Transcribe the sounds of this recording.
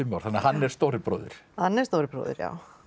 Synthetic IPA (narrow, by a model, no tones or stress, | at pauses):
ɪmawɾ̥θanːahanːɛɾst̪owɾɪpɾo̰ːðɪ̰ɾ̥hanːɛ̥st̪oːwɾɪpɾo̰ːðɪ̰ɾja̰w